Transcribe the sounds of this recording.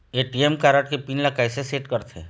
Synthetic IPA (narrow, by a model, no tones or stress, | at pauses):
eːʈiemkaːɾəʈkepiːnlɐkaːjseseːʈkəɾt̪ʰḛː